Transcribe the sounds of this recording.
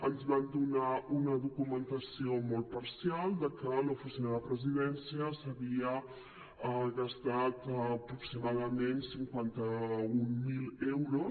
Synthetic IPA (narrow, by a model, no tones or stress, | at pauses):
ənzβamd̪unaunəðukumənt̪əsiomɔlˠt̪̚pɐɾsijalˠd̪əkəlowfusinaðəpɾəziðɛnsiəsəβiə | əɣəst̪at̪ːpɾuksiumaðəmensiŋkwant̪əummilewɾo